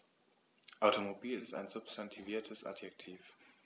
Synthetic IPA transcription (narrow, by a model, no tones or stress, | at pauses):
ʔaʊtomobiːlɪsta̰ɪnzʊpstʰantʰiviːɐtʰəsʔa̰djɛk̚tʰiːf